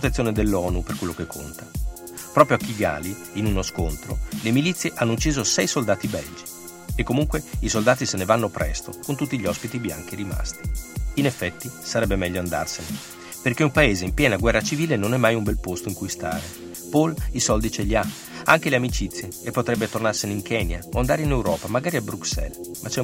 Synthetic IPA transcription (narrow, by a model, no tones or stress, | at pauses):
t̪et̪sjoːned̪elːɔːnuperkwelːokekʰːo̰nt̪ḁ | pɾɔːpɾjoakiɡa̰ːli | inunoskont̪ɾo̰lemilit̪sːjeʔanːout͡ʃːiːzosɛjsold̪aːt̪ibɛld͡ʒi | ekːomuŋkweisold̪aːt̪isenevanːopɾʔɛ̰st̪okont̪ut̪ːiʎːiɔspit̪ibja̰ŋk̟iɾima̰st̪i̥inefːɛt̪ːisaɾɛbːemɛʎːoand̪a̰rsene | perkeumpaeːzeimpjɛːnaɡwɛrːat͡ʃiviːlenonɛmːajumbɛlpost̪oiŋkujst̪a̰ːɾe | polisɔld̪it͡ʃeʎːia | aŋk̟eleamit͡ʃit̪sːjeepːot̪ɾɛbːet̪ornarseneiŋkʰɛːnjaoand̪aːɾeinewɾɔːpamaɡaːɾiabɾuksɛ̰lmʔat͡ʃɛ